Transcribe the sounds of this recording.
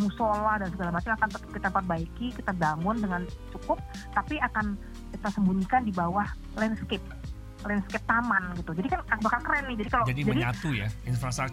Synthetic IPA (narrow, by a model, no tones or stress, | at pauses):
musolahdalnsəɡalamat͡ʃaŋakant̪ət̪ə̥p̚kit̪apərbaikikit̪abaŋʊndəŋan | t͡ʃukʊp̚ | t̪apiakan | kit̪asəmbuɲikandibawah | lɛnskɪp̚ | lɛnskɛp̚t̪amanɡit̪ud͡ʒadikanabakalkəɾɛnːɪhd͡ʒadikalod͡ʒadid͡ʒaəɲdiɲat̪ujainfɾast̪ɾək